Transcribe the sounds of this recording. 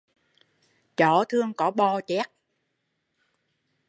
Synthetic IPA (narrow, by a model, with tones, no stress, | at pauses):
t͡ɕɔ˨˩˦t̪ʰɨ˧əŋkɔ˨˦ɓɔ˧t͡ɕɛ˦˥k̚